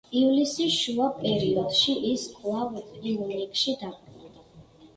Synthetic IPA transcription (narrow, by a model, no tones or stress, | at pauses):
ivlisiʃuapʼɛɾiɔd̪̥ʃiʔiskʼlˠavilˠɔnikʼʃid̪apʼɾɛd̪a